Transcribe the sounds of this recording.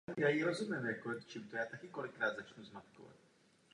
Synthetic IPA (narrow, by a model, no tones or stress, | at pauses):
jaːjiɾɔzumʲjɛmjakɔt̪t͡ʃɪmt̪ɔjat̪akʲikɔlɪkːɾaːd̪zat͡ʂnuzmat̪kɔ̰va̰t͡ɕ